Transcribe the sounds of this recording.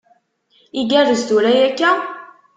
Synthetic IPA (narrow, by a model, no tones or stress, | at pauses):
iɡærəst̪uɾæjækːæ